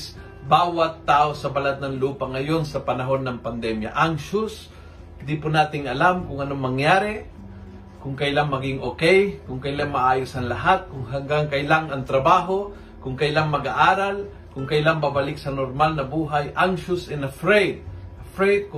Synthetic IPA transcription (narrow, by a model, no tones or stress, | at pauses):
s | baːwat̪ːaːʔosɐbalat̪̚nɐŋluːpaŋɐjonsɐpɐnɐɦo̞nːɐŋpɐnd̪ɛmja̰ʔaŋʃʊs | d̪ipʊnaːt̪ɪŋɐlamkʊŋɐnomɐŋjaːɾɛ | kʊŋkɐjlaŋmɐɡɪŋʔokɛjkʊŋkɐjlaŋmɐʔaːjʊsɐnlɐɦat̪̚kʊŋɦaŋɡaŋkɐjlaŋɐŋt̪ɾɐbaːɦo̞ | kʊŋkɐjlaŋmɐɡaʔaːɾal | kʊŋkɐjlaŋbabɐlɪk̚sɐnoɾmalnɐbuːɦajʔaŋʃʊsɛnɐfɾɛjd̪̚ɐfɾɛjd̪̚k